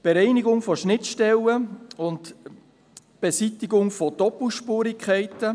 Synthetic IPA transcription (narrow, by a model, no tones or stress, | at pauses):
b̥eɾɛɪnɪɡʊŋfɔʃnɪtʃtɛləʊnt | b̥esitɪɡʊŋfɔdɔpl̩ʃpuːɾɪkʰχɛɪtə